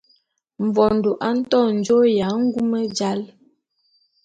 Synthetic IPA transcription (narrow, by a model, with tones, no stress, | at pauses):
m̩˨vɔ˨n̩˨do˨ʔa˦n̩˦tɔ˦˨n̩˨˦d͡ʒo˦ja˨˦ŋ̩˦ɡu˦mə˦d͡ʒa˦l